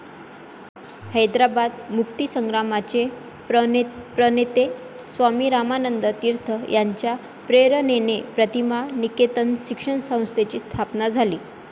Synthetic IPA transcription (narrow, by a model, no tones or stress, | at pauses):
həjd̪ɾabad̪mukt̪isəŋɡɾamat͡ɕe | pəpɾənet̪e | sʋamiːɾamanənd̪ət̪iɾt̪ʰəjaɲt͡ɕja | pɾeɾənenepɾət̪imaniket̪ənɕikʂəɳsə̃w̃st̪ʰet͡ɕiːst̪ʰapnad͡zʱaliː